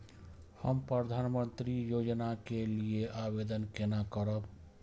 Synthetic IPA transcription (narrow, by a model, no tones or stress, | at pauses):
həmpɾəd̪ʱanmənt̪ɾijod͡ʒnakelieʔabed̪ənkenakəɾəb